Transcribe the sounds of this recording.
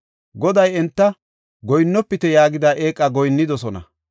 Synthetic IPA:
ɡɔd̪ɐjɛnt̪ːɐ | ɡɔjnːɔpːɪt̪ɛjaːɡɪd̪aʔe̞ːkʼːɐɡɔjnːɪd̪ɔsɔnɐ̰

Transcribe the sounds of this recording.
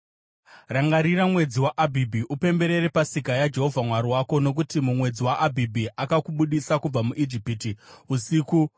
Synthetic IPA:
raŋɡaɾiramwe̞d͡ziwaʔabʱibʱiʔupe̞mbe̞ɾe̞ɾepasikajad͡ʒe̞ɦo̞vʱamwaɾiwako̞no̞k̬utimumwe̞d͡ziwaʔabʱibʱiʔakakuɓuɗisakub͡vamuʔid͡ʒipitiusiku

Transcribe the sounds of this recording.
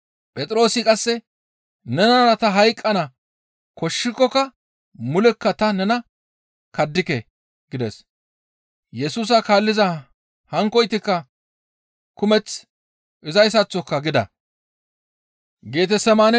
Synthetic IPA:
pʼɛt̪ʼɾo̞ːsɪkʼɐsːɛ | nɛnɐɾɐt̪ɐɦɐjkʼːɐnɐ | kɔʃːɪkːɔkːɐ | mʊlɛkːɐt̪ɐnɛnɐ | kɐd̪ːɪkɛ | ɡ̥ɪd̪ɛs | jɛsuːs̬ɐkaːlːɪzɐ | hɐŋkːɔjt̪ɪkːɐ | kʊmɛt͡s | ʔɪzɐjs̬ɐt͡sːɔkːɐɡɪd̪ɐ̰ | ɡeːt̪̬ɛsɛmaːnɛ

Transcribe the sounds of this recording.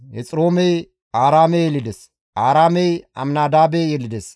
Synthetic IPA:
hɛ̰t͡sʼɾoːmɛj | aːɾaːmejɛlɪd̪ɛs | ʔaːɾaːmɛjɐ̰mnaːd̪aːbejɛlːɪd̪ɛs

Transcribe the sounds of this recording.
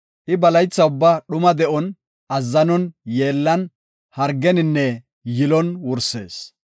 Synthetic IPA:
ʔɪbɐlɐjt͡sːɐʊbːaɗʊmɐd̪ɛʔɔn | ɐzːɐnɔnje̞ːlːɐn | hɐɾɡɛnɪnːɛ | jɪlɔnwʊɾse̞̰ːs

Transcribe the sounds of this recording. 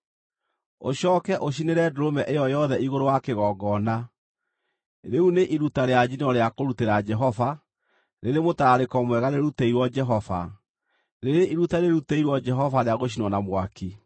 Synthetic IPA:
o̰ɕɔːkɛʔoɕ̬ineɾɛdoɾomɛʔejɔjɔðɛiɣoɾowakeɣɔːɡɔna | ɾeuneʔiɾutaɾead͡ʒinɔɾeakoɾuteɾad͡ʒɛɦɔva | ɾeɾemotaɾaɾekɔmwɛɣaneɾuteiɾwɔd͡ʒɛɦɔva̰ | ɾeɾeʔiɾutaneɾuteiɾwɔd͡ʒɛɦɔvaɾeaɣoɕ̬inwɔnamwaki

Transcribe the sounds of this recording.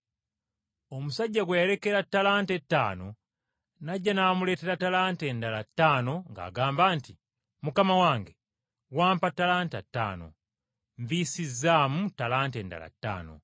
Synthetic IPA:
o̞musaɟːaɡwejeɾe̞ke̞ɾatːalaːntetːa̰ːno | naɟːanamule̞ːte̞ɾatalaːntendalatːaːno̞ŋɡa̰ːɡaːmbaːnti | mukamawaːŋɡe | waːmpatːalaːntatːa̰ːno̞̰ | ɱviːsizːaːmutalaːnteːnda̰la̰tːa̰ːno̞̰

